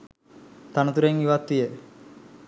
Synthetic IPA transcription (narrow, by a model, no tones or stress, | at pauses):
t̪anət̪uɾeŋiʋat̪ʋije